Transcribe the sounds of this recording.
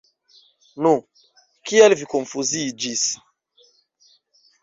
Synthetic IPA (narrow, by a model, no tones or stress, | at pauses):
nũ | kialvikɔ̃ɱfuzid͡ʒis